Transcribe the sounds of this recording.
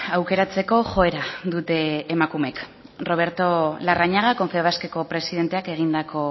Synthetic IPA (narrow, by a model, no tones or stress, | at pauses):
awke̞ɾat͡se̞ko̞ʝo̞eɾaðut̪e̞ːmakume̞k | ro̞β̞e̞ɾt̪o̞laraɲaɣ̞ako̞ɱfeβaske̞ko̞pɾe̞siðe̞nt̪e̞ake̞ɣ̞ind̪ako̞